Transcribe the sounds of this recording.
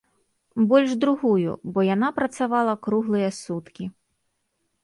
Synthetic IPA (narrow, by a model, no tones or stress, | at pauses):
bɔlʲʐd̪ɾuɣujṵbɔjanapɾɐt̪savalˠɐkɾuɣlˠɨjɐsut̪kʲi